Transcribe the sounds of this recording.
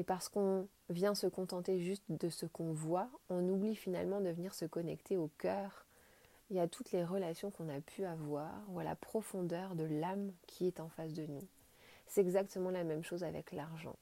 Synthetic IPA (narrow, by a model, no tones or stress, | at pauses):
epaʁsə̥kɔ̃ | vjɛ̃səkɔ̃t̪ɑ̃t̪eʒyst̪d̪əsəkɔ̃vwaɔ̃nublifina̰lmɑ̃d̪əvəniʁsəkɔnɛkt̪ʰeokʲœːʁ | iat̪ʰut̪leʁəlasjɔ̃kɔ̃napʰyavwa̰ʁuala̰pχɔfɔ̃d̪œʁd̪əlamkʲʰiɛt̪ɑ̃fas̬d̪ənu | sɛt̪ɛɡzak̚t̪əmɑ̃lamɛmʃozavɛ̰klaʁʒɑ̰̃